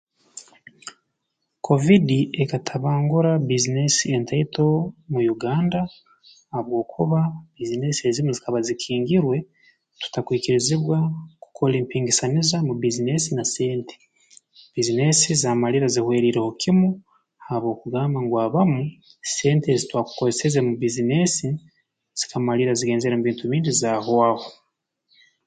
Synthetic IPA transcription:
kʰo̞vidiekatʰaβaːŋɡuɾabizine̞sie̞ntaito̞mujuɡaːndaː | βwo̞ːkʰuβabizine̞siezimuzikaβazikʰiːŋɡiɾwe̞ | tu̥takwiːkiɾiziβwaku̥kʰo̞leːmpiːŋɡisanizamubizine̞sinase̞ːntʰe̥ | b̥izine̞sizamaliɾazihwe̞ːɾiɾeho̞kʰimu | haβo̞ːkuɡaːmbaŋɡwaβamu | se̞ːntezitwaːku̥koesezemubizine̞si | z̥ikamaliɾaziɡe̞ːnzeɾemuβiːntuβiːndizaɦoaho

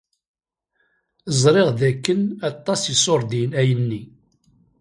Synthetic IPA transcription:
əzˤɾˤeʁðækːənɑt̪ˤːɑsisoɾˤd̪inæjənːi

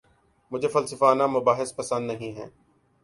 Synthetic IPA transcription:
mʊd͡ʒʱeːfɐlsəfaːnaːmʊbaːɦɪspəsə̃nd̪nəɦĩːɦɛ̰ː

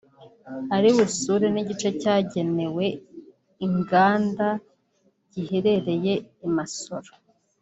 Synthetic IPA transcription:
aɾiβusuɾeniɟit͡ʃe̞caːɟe̞ne̞we̞ | iŋɡaːnda | ɟ̥iheɾe̞ɾe̞je̞imaso̞ɾo

